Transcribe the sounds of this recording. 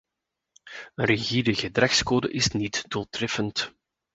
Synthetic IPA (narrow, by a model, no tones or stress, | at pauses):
ənrəɣidəɣədrɛxskoːdə̰ʔɪsnitd̥ulˠtrɛfənt